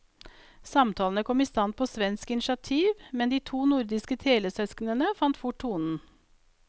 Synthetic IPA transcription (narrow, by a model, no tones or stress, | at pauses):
sɑmt̪ʰɑːln̩əkʰɔmiːst̪ɑnt̪̚pʰoːsʋɛnskɪnɪʃɑt̪ʰiːʋmɛnd̪iːt̪ʰuːnʊɾd̪ɪskət̪ʰeːləsœsknənəfɑnt̪fʊʈʰːuːnn̩